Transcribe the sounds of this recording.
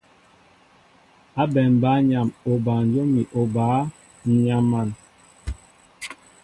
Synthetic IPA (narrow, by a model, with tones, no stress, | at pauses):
a˦bɛ˨m˨ba˨˦ɲa˨mo˨ba˨n˨˦d͡ʒo˦mi˨ʔo˨baː˨˦˨ | ɲa˦ma˨n